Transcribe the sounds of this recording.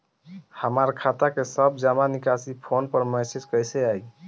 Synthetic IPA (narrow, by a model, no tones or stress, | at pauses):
həmaɾkʰat̪akesəbd͡ʒamanikasipʰonpəɾmɛsed͡ʒkəjseaj